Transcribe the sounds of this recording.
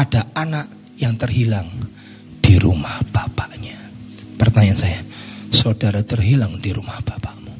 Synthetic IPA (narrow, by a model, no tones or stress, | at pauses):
adaanaʔ | jaŋt̪ərɦilaŋ | d̥iɾṵmahb̥apaʔɲa | pərt̪aɲansajasodaɾat̪ərɦilaŋdiɾumahb̥ḁpaʔmu